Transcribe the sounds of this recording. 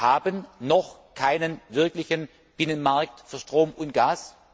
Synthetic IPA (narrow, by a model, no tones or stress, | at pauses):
haːbənnɔχkʰaɪnənvɪɐklɪçən | b̥ɪnənmaɐk̚tfyːɐʃtʁ̥oːmʊntɡ̥aːs